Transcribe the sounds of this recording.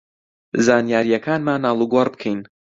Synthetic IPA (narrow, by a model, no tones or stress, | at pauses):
zaːnjaːɾijɐkʰaːnmaːnːaːlˠuɡwɐrbɨkʰejn